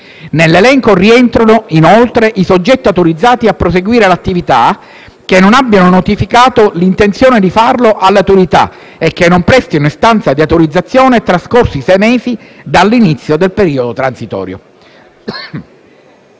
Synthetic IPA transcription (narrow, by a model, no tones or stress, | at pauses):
nelːelɛŋkoriɛnt̪ɾanoinolt̪ɾeʔisod͡ʒːɛt̪ːiat̪oɾid̪zːaːt̪iapːɾos̬eɡwiːɾelat̪ːivit̪a | k̟enːonabːjanonot̪ifikaːt̪olint̪ent̪sjoːned̪ifarloʔalːat̪uɾit̪a̰ | ekːenːompɾɛst̪inoist̪ant̪sad̪iat̪oɾid̪zːat̪sːjoːnet̪ɾaskorsisɛjmeːzid̪alːinit̪sːjod̪elpeɾiːod̪ot̪ɾansit̪ɔ̰ːɾjo̰